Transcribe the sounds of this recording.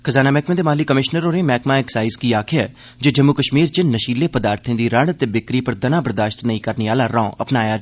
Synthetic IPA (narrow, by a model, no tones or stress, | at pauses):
kʰəzaːnaːmɛːkmẽːd̪eːmaːlikəmɪʃnəɾoːɾẽːmɛːkmãːeksaːɪzkiːaːkʰɪja | d͡ʒoːd͡ʒəmːukəʃmiːɾt͡ʃɪnːəʃiːleːpəd̪aːɾt̪ʰẽːd̪iːɾəɽət̪eːbɪkɾiːpəɾd̪ənãːbəɾd̪aːʃt̪nəĩːkəɾneaːlaɾãːʔəpnaːjaː